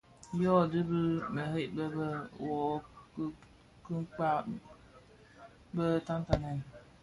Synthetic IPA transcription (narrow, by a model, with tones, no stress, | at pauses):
jɔ˦˨dɨ˦bɨ˦mə˨ɦe˦ʔbə˦bə˦wɔ˨˦ | kɨ˦k͡pa˦ | bə˦ta˦n˦ta˨nɛ˨n˨